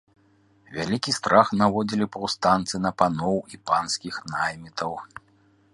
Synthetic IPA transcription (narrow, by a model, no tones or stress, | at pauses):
vʲalʲikʲist̪ɾaxnavɔd͡zʲilʲipɐwst̪ant̪sɨnɐpanɔwipanskʲixnajmʲit̪ɐw